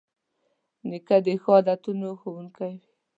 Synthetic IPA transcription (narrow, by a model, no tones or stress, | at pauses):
nɪkad̪exod̪at̪unoxowuŋkajw